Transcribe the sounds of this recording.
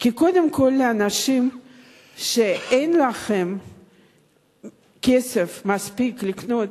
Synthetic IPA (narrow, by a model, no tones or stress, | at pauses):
kiko̞d̪emko̞lːeanaʃim | ʃeejnlaχe̞m | kesefmaspiklikno̞t̪